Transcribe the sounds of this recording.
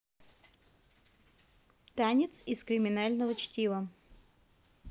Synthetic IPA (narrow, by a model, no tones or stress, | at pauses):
t̪anʲɪt̪sɪskɾʲɪmʲɪnalʲnəvət͡ɕtʲivə